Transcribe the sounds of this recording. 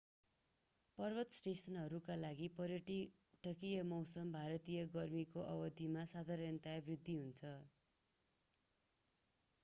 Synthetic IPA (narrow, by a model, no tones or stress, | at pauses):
pʌrbʌt̪sʈesʌnɦʌɾukalaɡipʌɾjʌʈi | ʈʰʌkijʌmʌwsʌmbʱaɾʌt̪ijʌɡʌrmikoʔʌbʌd̪ʱimasad̪ʱaɾʌnt̪abrid̪ʱːiɦunt͡sʰʌ